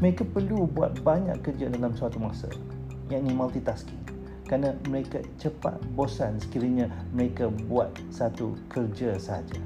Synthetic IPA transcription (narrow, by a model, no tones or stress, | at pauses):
məɾekapərlubua̰t̪̚baɲa̰ʔkːərd͡ʒadalamsəat̪umasə̰ | jaʔnimalt̪it̪aski | kɾanaməɾekat͡ʃəpa̰t̪̚bosansə̥kiɾiɲãməɾekabuat̪̚sat̪ukʰərd͡ʒasəɦa̰d͡ʒa